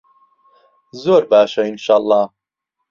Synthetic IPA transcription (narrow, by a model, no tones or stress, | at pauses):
zoːɾbaːʃɐinʃaːlˠˤːɑː